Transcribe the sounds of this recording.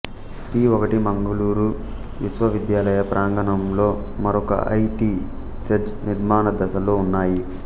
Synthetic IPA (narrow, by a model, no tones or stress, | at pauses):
t̪iːɔkɐʈimɐŋɡɐluːɾu | ʋiʃʋɐʋid̪jaːlɐjɐpɾʔaːŋɡɐnɐmlo̞ː | mɐɾɔkɐ̰ʔɐ̰jʈiː | sed͡ʒniɾmaːnɐd̪ɐsɐlo̞ːunːaːji